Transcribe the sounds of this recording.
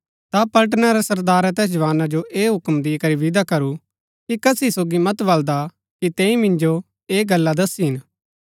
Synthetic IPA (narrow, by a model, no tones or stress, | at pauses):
t̪apɐlʈ̬naɾɛsɐɾd̪aːɾat̪̬ɛːs̬d͡ʒɐʋaːnad͡ʒoʔeːɦʊkmd̪ɪkɐɾiʋɪd̪akɐɾu | kikɐsisoːɡimɐt̪bɐld̪a | kit̪ɛ̃ːĩmɪ̃nd͡ʒo | eːɡɐlːad̪ɐsiɦɪn